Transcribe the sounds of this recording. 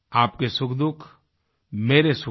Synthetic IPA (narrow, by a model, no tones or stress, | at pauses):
aːp̚kesukd̪uk | meɾesu